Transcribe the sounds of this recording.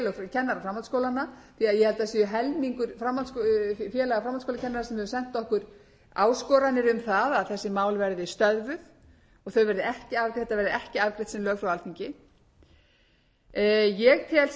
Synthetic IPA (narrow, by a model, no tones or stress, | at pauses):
lœfcʰɛnːaɾafɾamat̪skowlanːaθiaðjɛhɛlt̪asiːʏɦɛlmiŋkʏɾ̥fɾamːant̪skfjɛːlaɣafɾamantskowlacʰɛnːaɾaɾsɛmhɛvʏsɛn̥t̪ɔhkʏɾ̥ | a̰ːwskɔɾanːɪɾʏmθaðaðθɛsːɪmaːwlvɛɾðɪst̪œðvʏð | ɔɣθœɥvɛɾðɪɛhcɪavθɛt̪avɛɾðɪʔɛhcɪavkɾeht̪sɛmlœːɣfɾawvalt̪iɲcɪ | jɛɣt̪ʰɪɛls